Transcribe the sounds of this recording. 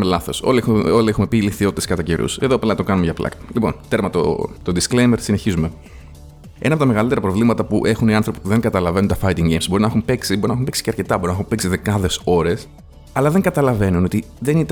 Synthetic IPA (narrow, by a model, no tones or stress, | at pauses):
melɐθo̞so̰liuoliexume̞piliθio̞t̪it̪skɐt̪ɐce̞ɾṵse̞ðoplɐt̪oɡɐnumeʝɐplɐ̰kɐ̥lipo̞̰nt̪e̞ɾmɐt̪o̰t̪o̞d̪isklejme̞ɾsine̞çizume̞ | enɐpot̪ɐmeɣɐlit̪eɾɐpɾo̞vlimɐt̪ɐpuʔe̞xuniɐnθɾo̞pi̥puðe̞ŋɡɐt̪ɐlɐve̞nunt̪ɐfɐjt̪iŋɡejmzbo̞ɾinɐxumpe̞ksibo̞ɾinɐxumpeksi̥ceɐɾce̞t̪ɐbo̞ɾinɐxumpeksiðekɐðe̞so̞ɾe̞s | ɐlɐðe̞ŋɡɐt̪ɐlɐve̞nuno̞t̪i | ðe̞nit̪